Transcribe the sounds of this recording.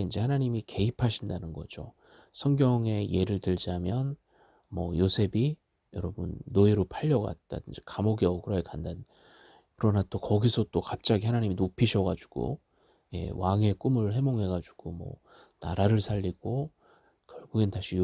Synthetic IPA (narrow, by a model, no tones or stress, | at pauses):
eind͡ʑe̞hanaɲimike̞ipʰaɕʰindanɯnɡʌ̰d͡ʑo | sʰʌŋɡjʌŋe̞je̞ɾɯɭtɯɭd͡ʑamjʌn | mʌjosʰe̞bi | jʌɾʌbɯnːoiɾopʰaʎːʌɡa̰t̚t͈a̰dɯnd͡ʑekamoɡʌkɯɾʌkʰekandan | kɯɾʌnat͈okʌɡisʰʌt͈okap̚t͡ɕ͈aɡihanaɲiminopʰiɕʰʌɡad͡ʑuɡ̥o̰ | je̞̰waŋe̞k͈umɯɭhe̞moŋɦe̞ɡad͡ʑuɡ̥omʌ̰ | na̰ɾaɾɯɭsʰaʎːiɡ̥o | kjʌɭɡuɡentaɕʰi